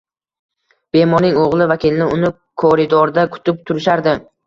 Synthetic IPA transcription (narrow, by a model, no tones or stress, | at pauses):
b̥e̞mɒɾnɪŋoʁlˠɪvakʲʰɪlnɪʊnɪ | kʰoɾɪd̪oɾd̪akʰʊ̥t̪ʰɪp̚t̪ʰʊɾɪʃaɾd̪ɪ